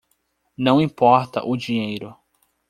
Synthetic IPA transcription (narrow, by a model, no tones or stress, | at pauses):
nɐ̃w̃ĩpɔɾt̪ɐ̰ʔʊd͡ʒiɲejɾʊ